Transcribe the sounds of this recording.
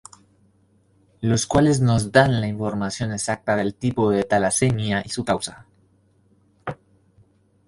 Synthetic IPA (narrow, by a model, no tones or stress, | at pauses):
lo̞skwale̞zno̞zd̪anlaiɱfo̞ɾmasjo̞ne̞sak̚t̪aðe̞lt̪ipoðet̪alasenjaʔisukawsa̰